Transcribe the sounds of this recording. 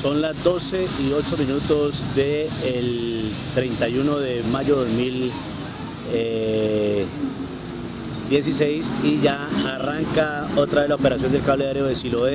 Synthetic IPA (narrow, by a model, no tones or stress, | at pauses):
so̞nlazd̪o̞se̞io̞t͡ʃo̞mĩnut̪o̞zd̪e̞ːl | t̪ɾe̞jnt̪ajuno̞ðe̞maʝo̞ðo̞zmil | e | d̪je̞s̬ise̞jsiʝaːraŋkao̞t̪ɾaðelaopeɾasjo̞nd̪e̞lkaβleðaɾjoðesiloe